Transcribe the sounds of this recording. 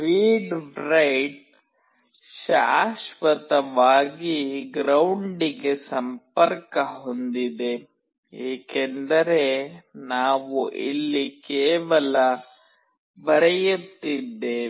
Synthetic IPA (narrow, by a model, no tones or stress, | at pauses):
piːɖɾɐjɖ | ʃaːʃʋɐt̪ɐʋaːɡiɡɾɐwɳɖiɡe̞sɐmpɐɾkɐɦond̪id̪e̞ | ɦeːkend̪ɐɾe̞naːʋuʔḭlːikɛːʋɐlɐ | bɐɾɛjut̪ːid̪ːeː